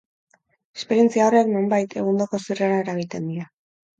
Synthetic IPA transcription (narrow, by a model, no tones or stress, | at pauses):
e̞̥spe̞ɾje̞nt͡siaore̞kno̞mbajt̪ʰe̞ɣ̞und̪oko̞sireɾaeɾaɣ̞it̪e̞nd̪iɾa